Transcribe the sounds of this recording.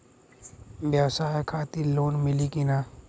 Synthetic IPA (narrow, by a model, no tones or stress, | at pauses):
ʋjɐwsaːjkʰaːt̪iloːnmɪlikinaː